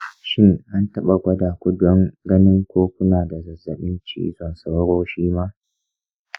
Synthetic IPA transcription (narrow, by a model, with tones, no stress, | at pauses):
ʃɪ˦ŋʔa˦ntɐ˦ɓa˨ɡʷɐ˦daː˨kʷʊ˦dɔ˦ŋɡɐ˦nɪ˦ŋkʷoː˦kʷʊ˦naː˨da˨zɐ˨zɐ˨ɓɪ˦nt͡ʃḭː˦zɔ˨nsa˦wɾoː˦ʃiː˦maː˦